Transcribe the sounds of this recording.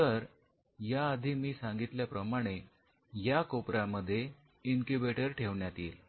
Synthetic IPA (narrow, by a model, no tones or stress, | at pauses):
t̪əɾ | jaəd̪ʱiːmiːsãŋɡit̪ljapɾəmaɽ̃e | jakopɾaməd̪ʱːje | iŋkubeʈəɾʈʰeʋɳjat̪iːl